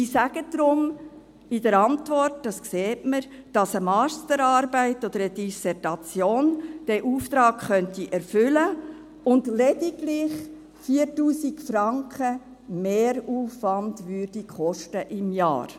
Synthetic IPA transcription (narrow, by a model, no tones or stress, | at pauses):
isæɡ̥əd̪ɾʊm | ɪd̥əɾɑntʋɔrt̚d̥ɑskseːtməɾd̥ɑsəmɑːstəɾɑːɾbæɪtɔd̪əɾədisɛtɑt͡sjoːnd̥ɛʔuːft̪ɾɑːkχœntiʔɛɾfʏlə | ʊndlɛdiɡlɪχ | fiːəɾtuːsikfɾɑŋkχə | meːɾuːfʋɑndʋʏːrd̥ikχɔʃtəʔɪmjɑ̰ːɾ